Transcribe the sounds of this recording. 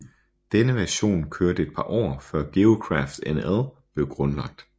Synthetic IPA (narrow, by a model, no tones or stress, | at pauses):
d̥enəʋæɐɕo̝̰ːnkʰøɐdəed̥̚pʰɑ̈ːʔɒ̰ːfɶɐ̰ɡ̥e̝okʰʁɑfd̥eneðˠb̥le̝ʊɡ̥ʁɔ̽nlɑ̈ɡ̥̚d̥